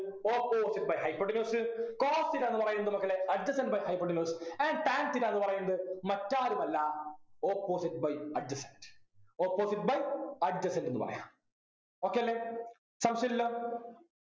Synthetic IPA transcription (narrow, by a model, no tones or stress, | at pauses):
oːpːoːsiʈ̚bɐjɦɐjpoɖinoːsɨkoːsiɾanːɨpɐrɐjunːɐðɨmɐkːɐɭeɐɖd͡ʑɐsɐnɖbɐjhɐjpːoɖinuːsɐnɖʈ̪aːntiɾaenːɨpɐrɐjunːɐðɨmɐtːaːɾumɐlːɐoːpːoːsiʈ̚bɐjɐɖd͡ʑɐsɐndɨ̥oːpːoːsiʈ̚bɐjɐɖ̚d͡ʑɐsɐndenːɨpɐ̰rɐ̰ja̰ːm | oːkːejɐlːeː | sɐmsɐilːoː